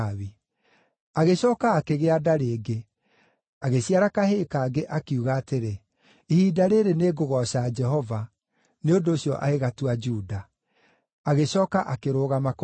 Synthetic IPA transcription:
βi | aɣeɕɔːkaːkeɣeadaɾeːɡe | aɣeɕiaɾakaheːkaːɡeʔakiuɣaːteɾe | ihiːdaɾeɾeneɡoɣɔɕad͡ʒɛɦɔva | neondoːɕijɔʔa̰ɣeɣatuad͡ʒuːda | aɣeɕɔːkaʔakeɾoːɣamak

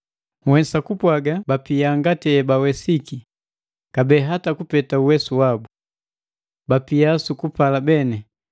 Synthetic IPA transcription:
wɛnsakupwaɡabapiaŋɡatɛɛbawɛsiki | kabɛːɦatakupɛtauwɛsuwabu | bapiasukupalabɛnɛ

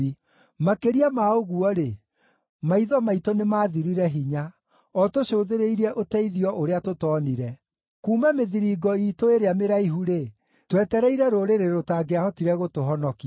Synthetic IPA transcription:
makeɾiamaoɣuɔɾe | maiðɔmaitonemaːðiɾiɾɛɦiɲa | ɔtoɕoːðeɾeiɾɛʔotɛiðiɔʔoɾeatotɔːniɾɛ | kuːmɛmeðiɾiːɡɔiːtoeɾeameɾaiɦuɾe | twɛtɛɾɛiɾɛɾoɾeɾeɾotaːɡeahɔtiɾɛɣotoɦɔnɔki

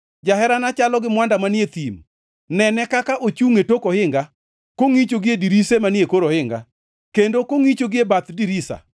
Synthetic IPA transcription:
d͡ʒaɦɛɾanat͡ʃalɔɡɪmwandamanjet̪im | nɛnɛkakaʔot͡ʃuŋetokohɪŋɡa | koŋit͡ʃoɡɪediɾisemanjekoɾohɪŋɡa̰ | kendokoŋit͡ʃoɡɪebat̪diɾisa̰

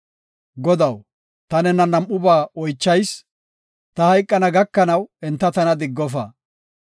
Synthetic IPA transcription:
ɡɔd̪ɐw | t̪ɐnɛnɐnɐmːʊbaːɔjt͡ʃːɐjs | t̪ɐhɐjkʼːɐnɐɡɐkːɐnɐwɛnt̪ːɐt̪ɐnɐd̪ɪɡːɔfɐ

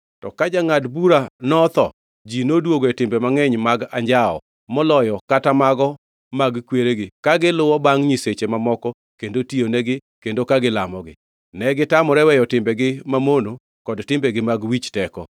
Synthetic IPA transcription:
tɔkad͡ʒaŋadbuɾanɔt̪ɔ̰ | d͡ʒinodwoɡoɛtɪmbɛmaŋɛɲmaɡa̰ɲd͡ʒaɔ̰ | mɔlɔjɔkatamaɡɔ | maɡkweɾeɡɪkaɡɪlʊwɔbaŋɲiset͡ʃemamɔkɔ | kendotionɛɡɪ | kendokaɡɪlamɔɡɪ̰ | nɛɡɪtamɔɾɛwɛjɔtɪmbɛɡɪmamono | kɔdtɪmbɛɡɪmaɡwit͡ʃtɛkɔ

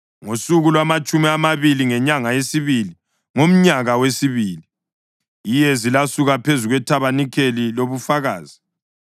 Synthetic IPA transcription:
ŋosuɣulwamat͡ʃʼumiamaβiliŋɛɲaŋajesiβili | ŋom̩ɲaɣawesiβiːli | jijɛzilasuɣapʰezuɣwɛtʰaβanikʰeliloβufaɣaːzi

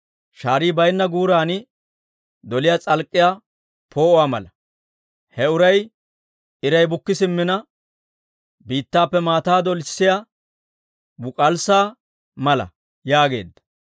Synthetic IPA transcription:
ʃaːɾiːbɐjnːɐɡuːɾaːnɪ | d̪ɔlɪjat͡sʼɐlkʼːɪjaː | pʰo̞ːwaːmɐ̰lɐ | hɛʊɾɐj | ɪɾɐjbʊkːɪsɪmːɪnɐ | biːt̪ːaːpːɛmaːt̪aːd̪ɔlɪssɪja | bʊkʼɐlsaː | mɐlɐ̰ | jaːɡe̞̰ːd̪ːɐ̥

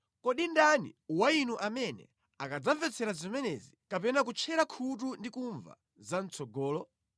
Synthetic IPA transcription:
kɔɗindanḭwainuʔamɛnɛ̰ | akad͡zaɱvɛt͡sʰɛɾazimɛnɛzikapɛnak̬ut͡ʃʰɛɾakʰut̬undikuɱva̰ | zan̩t͡sʰɔɡɔːlɔ

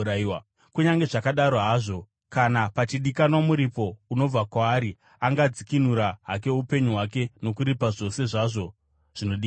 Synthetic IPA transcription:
aia | kuɲaŋɡe̞ʐakaɗaɾoɦaːʐo̞ | kanapat͡ʃiɗikanwamuɾipo̞uno̞b͡vakwaːɾi | aŋɡad͡zikin̤uɾaɦak̬e̞upe̞ɲuɦwak̬e̞no̞kuɾipaʐo̞se̞ʐaʐo̞ | ʐ̥ino̞ɗiː

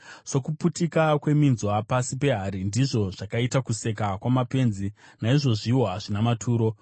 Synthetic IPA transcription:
so̞kuputikakwe̞minzwapasipe̞ɦaɾindiʐo̞ʐ̥akaitakuse̞kakwamape̞ːnzi | naiʐo̞ʐiwaʐinamatʰuːɾo̞

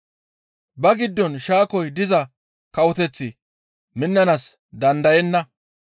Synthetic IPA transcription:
bɐɡɪd̪ːɔnʃaːkɔjd̪ɪzɐ | kɐwɔt̪ɛt͡sːɪ | mɪnːɐnɐs | d̪ɐnd̪ɐjɛnːɐ

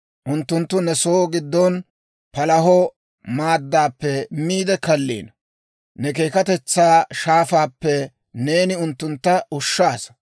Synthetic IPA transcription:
ʔʊnt̪ːʊnt̪ːʊnɛsoːɡɪd̪ːɔn | pɐlɐɦɔ | maːd̪ːaːpːɛmiːd̪ɛkɐlːḭːnɐ | nɛk̬e̞ːkɐt̪ɛt͡sːaːʃaːfaːpːɛ | ne̞ːnɪʊnt̪ːʊnt̪ːɐʊʃːaːs

